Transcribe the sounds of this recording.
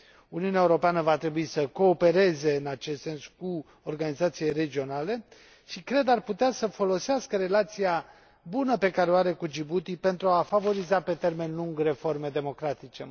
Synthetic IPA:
uniuneaeuɾo̞peanəvat̪ɾe̞buisəko̞ːpe̞ɾe̞ze̞ɨnat͡ʃest̪se̞nsku | orɡanizat̪siere̞d͡ʒio̞nale̞ | ʃikɾe̞d̪arput̪easəfo̞lo̞seaskəɾe̞lat̪sija | bunəpe̞kaɾeoaɾe̞kud͡ʒibut̪ipe̞nt̪ɾuafavo̞ɾizape̞t̪e̞rme̞nluŋɡre̞forme̞d̪e̞mo̞kɾat̪it͡ʃe̞

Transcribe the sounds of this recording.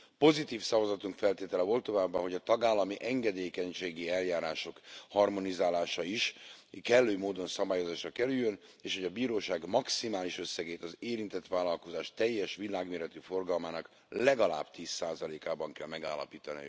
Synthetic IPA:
po̞zit̪iːfsɒvɒzɒt̪uŋkfɛlt̪eːt̪ɛlɛvo̞lt̪ːo̞vaːbːɒɦo̞ɟɒt̪ɒɡaːlːɒmiʔɛŋɡɛd̪eːkɛɲʃeːɡiɛljaːɾaːʃo̞khɒrmo̞nizaːlaːʃɒiʃkɛlːøːmoːd̪o̞nsɒbaːjo̞zaːʃrɒkɛɾyjːøn | eːʃhoɟɒbiːɾoːʃaːɡmɒksimaːliʃø̞sːɛɡeːt̪ɒzeːɾint̪ɛt̪ʋaːlːɒlko̞zaːʃt̪ɛjːɛʃʋilaːɡmeːɾɛt̪yfo̞rɡɒlmaːnɒk | lɛɡɒla̰ːbt̪iːsːaːzɒleːkaːbɒŋkɛlmɛɡa̰ːlːɒ̰piːt̪ɒnḭ

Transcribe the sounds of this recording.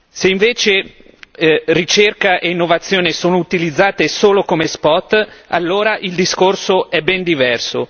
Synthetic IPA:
seiɱveːt͡ʃe | rit͡ʃerkaʔeinːovat̪sːjoːnesoːnout̪ilid̪zːaːt̪esoːlokomespɔt̪ːa̰lːoːɾaʔild̪iskorsoɛbːɛnd̪ivɛrso

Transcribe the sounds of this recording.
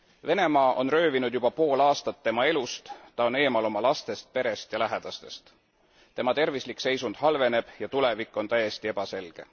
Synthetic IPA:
ve̞ne̞mɑːʔo̞nrø̞ːvinud̪̥jub̥ɑpo̞ːlɑːst̪ɑt̪ːe̞mɑe̞lust̪t̪ɑo̞ne̞ːmɑlo̞mɑlɑst̪e̞st̪̚pe̞ɾe̞st̪jɑlæɦed̪̥ɑst̪e̞st̪ | t̪e̞mɑt̪e̞rvislikːse̞jsund̪̥hɑlve̞ne̞b̥jɑt̪ule̞vikˑːo̞nt̪æje̞st̪ie̞b̥ɑse̞lɡ̥e̞

